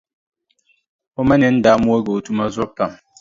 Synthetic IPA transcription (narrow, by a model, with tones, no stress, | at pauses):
ɔ˦ma˦nɛ˨˦n̩˦da˨˦mu˦o˦ɡo˨tu˦ma˦zɔ˦pːa˨m